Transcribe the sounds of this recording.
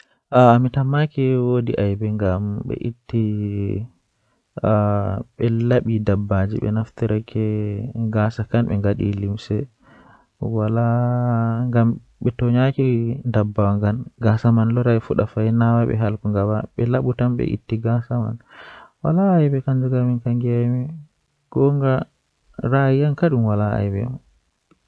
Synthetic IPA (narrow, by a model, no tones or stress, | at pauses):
ʔaːmitamakɛwodiʔajbɛŋɡamɓɛ̰ʔitːi | ɓɛlaɓidabːad͡ʒḭɓɛ̰naft̪iɾɛkʰɛɡasakanɓɛ̰ŋɡaɗḭlimsɛ | wala | ŋɡam | ɓɛtɔɲakindabːawaŋɡanɡasamanlɔɾaifuɗafajnawaɓɛ̰ɦalkuŋɡabaɓɛlaɓutamɓɛ̰ʔḭtːiɡasama̰nwalaːjbɛkand͡ʒuɡaminkaŋɡiamɛ | ɡ̥ɔŋɡa | ɾaiankaɗumwalaa̰jbɛ̰ma